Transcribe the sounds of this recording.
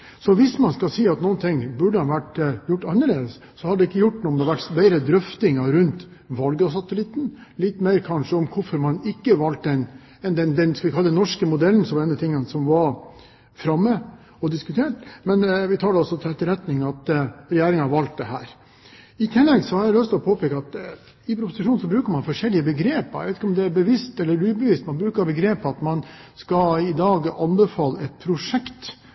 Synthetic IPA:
sɔʋɪsmɑnskɑsiːɑt̪nuːənt̪ʰɪŋbʉɖəhɑʋæʈːjʊʈːɑnːəɭeːd̪əs | sɔhɑdɖɛɪkːəjʊʈːnuːɔmd̪ɛʋæʈːbeɪɾəd̪ɾœft̪ɪŋɑɾʉnt̪ | ʋɑlɡɑsɑt̪əlɪt̪ːn̩lɪt̪ːmeɪɾkʰɑnʂəɔmkʰʊɾfɔɾmɑnɪkːəʋɑlt̪ɛn | ɛnd̪ɛnd̪ɛnsɔʋɪkʰɑlːəənɔʂkəmʊd̪ɛln̩sɔmɛnːət̪ʰɪŋːənsɔmʋɑɾ | fɾɑmːə | ɔd̪ɪskʉt̪ʰeːʈmɛnʋɪt̪ʰɑːɖɛɔsɔt̪ʰɪlɛt̪ːəɾɛt̪nɪŋɑt̪ɾɛjeːɾɪŋəhɑɾʋɑlt̪̚d̪ɛɦæːɾ | ɪt̪ʰɪlːɛɡsɔhɑɾælœst̪ʰɪlɔpʰoːpʰɛːkəɑt̪ | ɪpʰɾʊpʊsɪʂuːnsɔbɾʉːkəɾmɑnfɔʂɛlːɪəbəɡɾeːpəɾj̰ʋeɪt̪ɪkɔmd̪ɛæbəʋɪst̪ɛlːəɾʉːbəʋɪst̪mɑnbɾʉːkəɾbəɡɾeːpɑt̪mɑnskɑɪd̪ɑːɡɑnbəfɑːlːəɛt̪̚pʰɾʊʂɛkt̪

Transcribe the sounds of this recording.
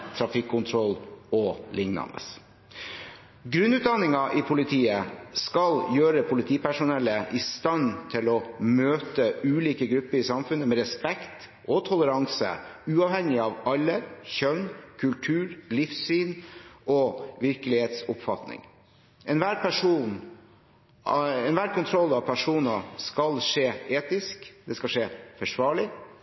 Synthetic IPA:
t̪ʰɾɑfɪkʰːʊnt̪ʰɾɔlɔlɪŋnɑ̰nə̰s | ɡɾʉnːʉːt̪̚d̪ɑnɪŋɑʔɪpʰʊlɪt̪ʰiːəskɑljøːɾəpʰʊlɪt̪ʰiːpæʂʊnɛlːəʔɪst̪ɑnt̪ʰɪlɔmøːt̪əʉːliːkəɡɾʉpːəɾɪsɑmfʉnːəmɛɾɛspɛkt̪ | ʔɔt̪ʰʊləɾɑŋsə̰ʉːɑʋhɛŋɪɑʋɑlːəçœnkʰʉlʈ̪ʰʉːɾlɪfsyːnʔɔʋɪɾkəlɪheːt̪sʊpfɑt̪nɪ̰ŋ | ɛnʋæːɾpæʂuːn | ɛnʋæːɾkʰʊnt̪ʰɾɔlːɑʋpʰæʂuːnɑskɑlʂeːeːt̪ɪskd̪ɛskɑʂeːfɔʂʋɑːɭɪ

